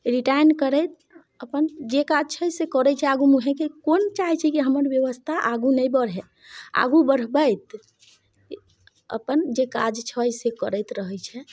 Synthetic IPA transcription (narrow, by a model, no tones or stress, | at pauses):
ɾiʈajnkəɾət̪ | əpənd͡ʒekad͡ʒt͡ʃʰəjsekəɾɛt͡ʃʰɛaɡumuɦɛ̃kekont͡ʃaɦɛt͡ʃʰɛkiɦəməɾbjəʋəst̪ʰaʔaɡunəjbəɾɦɛ | a̰ɡubəɾbəjt̪ | ə̰pənd͡ʒeka̰d͡ʒt͡ʃʰəjsekəɾɛt̪ɾəɦəjt͡ʃʰɛ